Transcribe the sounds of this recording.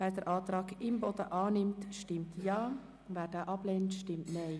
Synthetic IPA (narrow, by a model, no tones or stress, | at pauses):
vɛːdɛɾʔɑːtɾɑːɡɪmbɔdəʔɑːnɪmtʃtɪmtʰjɑː | vɛːdaːʔɑb̥leːntʃtɪmtneɪ